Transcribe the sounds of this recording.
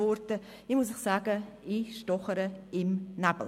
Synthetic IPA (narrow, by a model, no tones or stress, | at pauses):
ɔrtə | imʊsɪxsaːɡə | iʃtɔχəɾəɪmnab̥l